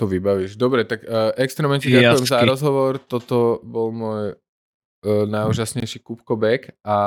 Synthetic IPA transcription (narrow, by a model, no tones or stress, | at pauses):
t̪ɔʋibaʋiʒd̪ɔbɾɛt̪aɡʔɛkst̪ɾɛmɲɛciɛɟaujɛmzaɾɔzɦɔʋɔɾt̪ɔt̪ɔbɔlmʊɔj | najuʒasɲɛjʃikupkɔbɛka